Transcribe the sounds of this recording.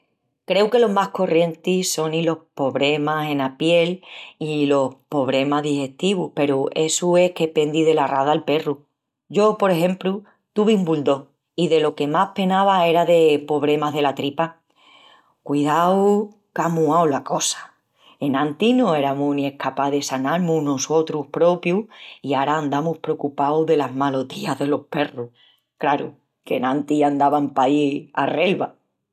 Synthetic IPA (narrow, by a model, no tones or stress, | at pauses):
kɾe̞wke̞lo̞ɦmahko̞rʔje̞nt̪iso̞nilo̞hpoβɾe̞mase̞napje̞lilo̞hpo̞βɾe̞maðihe̞ht̪iβuhpe̞ɾue̞sue̞hke̞pe̞nd̪iðe̞laraðalpe̞ru | ɟ͡ʝo̞po̞ɾe̞ɦẽ̞mplu | t̪uβiumbuld̪o̞ | iðe̞lo̞ke̞mahpe̞naβae̞ɾaðe̞po̞β̞ɾe̞maɦðe̞lat̪ɾipa | kwiðaw | kamuawlako̞sḁ | e̞nãnt̪inõ̞e̞ɾamunie̞hkapaðe̞sanaɾmunoso̞t̪ɾuhpɾo̞pjuiaɾaːnd̪amuhpɾeokupawðe̞lazmalo̞t̪iaðe̞lo̞hpe̞ru | klaɾṵ | ke̞̰nãnt̪iand̪aβampaia̰relβa